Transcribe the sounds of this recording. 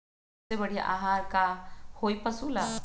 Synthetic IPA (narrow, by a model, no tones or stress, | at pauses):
ebəɽ̤iʔa̰ɦaɾkahojpəsula